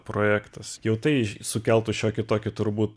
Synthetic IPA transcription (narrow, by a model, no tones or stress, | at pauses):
pɾoːjæːkt̪ɐsjɛʊt̪ɐɪsʊkʲɛlˠt̪ʊʃʲoːkʲɪt̪oːkʲɪt̪ʊɾbuːt̪